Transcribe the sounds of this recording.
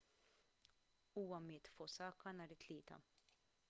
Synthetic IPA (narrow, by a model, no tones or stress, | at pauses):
uːwɐmɪːt̪fɔsɐːkːɐnɐːɾɪt̪lɪːt̪ɐ̰